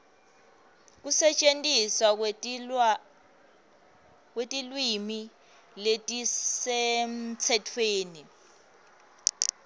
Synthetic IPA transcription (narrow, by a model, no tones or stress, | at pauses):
k̬usɛt͡ʃʼentʼiswa | k̬wetʼilwimi | letʼisemt͡sʰɛtʰweːni